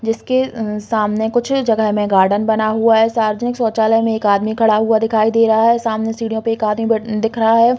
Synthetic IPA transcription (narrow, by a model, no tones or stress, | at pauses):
d͡ʒɪskesaːmnekʊt͡ʃʰd͡ʒɐɡəɦmẽɡaːɾɖənbɐnaɦuaɦɛsaːɾəd͡ʒnɪksɔːt͡ʃaːləɦmẽeːkaːd̪mikʰɐɽaɦuad̪ɪkʰaːid̪eːɾɐɦaɦɛsaːmnesiːɽijõpeeːkaːd̪mibd̪ɪkʰɾɐɦaɦɛː